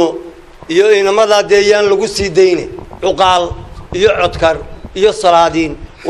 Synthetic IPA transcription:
ɔ | ijɔɪnɐmɐðad̪ɛːjaːnlʊɣʊsiːd̪ɛjnɛ̰ʕʊqɑːlijɔʕɔd̪kʰɐrijɔsɐlaːðiːnw

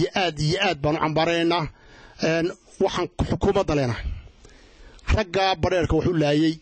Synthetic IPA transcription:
jɐʔaːd̪ijɔʔaːd̪̚baːnʊʕɑ̰mbaːɾɛnːa | ɛn | wɑħɑːŋħʊkʰʊːmɐd̪ɐlɛːnɐ | rɐɡːɐbɐɽɛːrkʰɐwɑħuːlaːjɛj

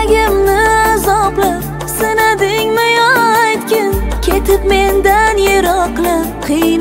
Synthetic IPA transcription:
ɡʲamnɪazɒblap̚ | sɪnad̪ɪŋmɪjɒajt̪kʲɪnkʲʰet̪ʰɪpme̞nd̪anjeɾɒqlɪqʰɨn

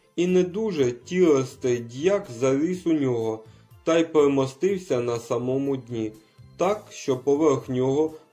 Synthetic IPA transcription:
inɛd̪uʒɛtʲilˠɔst̪ɪjdʲjakzɐlisunʲɔɦɔ | t̪ɑjpeɾemɔst̪ɪwsʲɐnɐsɐmɔmʊdʲnʲi | t̪akʃt͡ʃɔpɔʋɛrxnʲɔɦɔ

